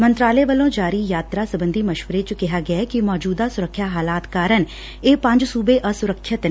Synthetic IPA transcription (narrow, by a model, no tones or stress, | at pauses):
mənt̪ɾaːleːʋəlõːd͡ʒaːɾiːjaːt̪ɾaːsəbənd̪iːməʃʋəɾeːt͡ʃkɪɦaːɡɪaɛːkɪmɔːd͡ʒuːd̪aːsʊɾəkʰːjaːɦaːlaːt̪kaːɾən | eːpə̃ɲd͡ʒsuːbeːʔəsʊɾəkʰːət̪n